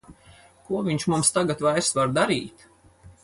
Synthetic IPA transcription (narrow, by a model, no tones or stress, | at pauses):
kuɔvʲiɲʲʃmumst̪aɡat̪vajɾsvaɾd̪aɾiːt̪